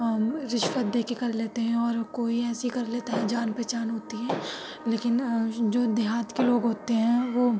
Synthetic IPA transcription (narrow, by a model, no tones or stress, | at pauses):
ɾɪʃʋət̪̚d̪eːkekɐɾleːt̪eɦɛ̃ɔːɾkoːiɛːsikɐɾleːt̪aɦɛd͡ʒaːnpɾɛːt͡ʃaːnɦoːt̪iɦɛː | leːkɪnd͡ʒoːd̪ɪɦaːt̪keloːɡɦoːt̪eɦɛ̃ʋoː